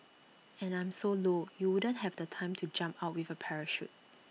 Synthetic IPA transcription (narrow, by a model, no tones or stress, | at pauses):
ɛ̃nãɪ̃msolojuwudə̃nhɛvdətʰãɪ̃mtʰud͡ʒãmpaʊt̚wivəpʰɛɹəʃṵt̚